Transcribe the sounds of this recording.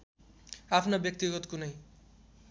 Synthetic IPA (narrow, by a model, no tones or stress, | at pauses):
apʰnobjʌk̚t̪iɡʌt̪kunʌj